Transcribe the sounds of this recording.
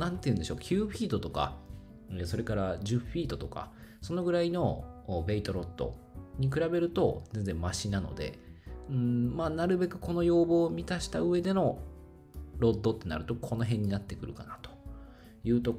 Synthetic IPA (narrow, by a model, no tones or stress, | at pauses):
nãnt̪e̞jiɯ̟̃ndeoːkʲʰɨːɸʲiːd̪o̞t̪o̞ka̰ | so̞ɾe̞kaɾaʑɨɸʲiːt̪o̞t̪o̞ka̰so̞no̞ɡɯ̟ɾaino̞be̞it̪o̞ɾo̞d̪̥ːo̞̰ɲ̟ik̬ɯ̟ɾabe̞ɾɯ̟t̪o̞zẽ̞nd͡zẽ̞mmaɕinano̞̰d̪e̞̰ɯ̟̃maːnaɾɯ̟be̞kɯ̟̥ko̞no̞jo̞ːbo̞ːmʲit̪aɕi̥t̪aɯ̟e̞d̪e̞no̞ | ɾo̞d̪ːo̞t̪ːe̞na̰ɾɯ̟t̪o̞kʰo̞no̞ɦẽ̞ɲ̟ːinat̪ːe̞kɯ̟ɾɯ̟kanat̪o̥ | jɯ̟ːt̪o̞